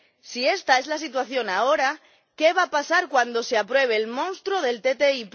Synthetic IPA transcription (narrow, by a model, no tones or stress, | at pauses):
sie̞st̪ae̞zlasit̪waθjo̞nao̞ɾa | ke̞βapasaɾkwand̪o̞se̞apɾwe̞β̞e̞ːlmõnst̪ɾoð̞e̞lt̪e̞t̪eip